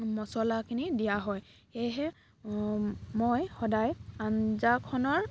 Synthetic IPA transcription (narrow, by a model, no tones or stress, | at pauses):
mɔsɔlakʰinidijaɦɔjxejɦɛ | mojxɔdajanzakʰɔnɔɹ